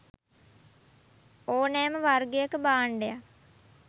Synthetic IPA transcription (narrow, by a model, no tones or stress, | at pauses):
oːnɛːməʋarɡejəkəbaːɳɖeja